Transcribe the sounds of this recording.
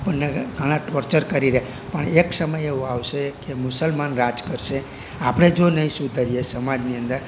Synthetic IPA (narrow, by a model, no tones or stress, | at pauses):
pəɳneɡʱəɽ̃ãʈɔɾt͡ʃəɾkəɾiɾeɦ | pəɳeksəməjeoaʋʃekemʊsəlmanɾad͡ʒkəɾʃe | apɽ̃ed͡ʒonəɦĩsud̪ʱəɾijesəmad͡ʒniənd̪əɾ